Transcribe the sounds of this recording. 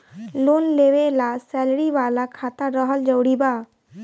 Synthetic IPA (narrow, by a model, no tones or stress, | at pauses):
loːnleːʋelasɛːlɽiʋaːlakʰaːt̪aɾəɦəld͡ʒəwɽibaː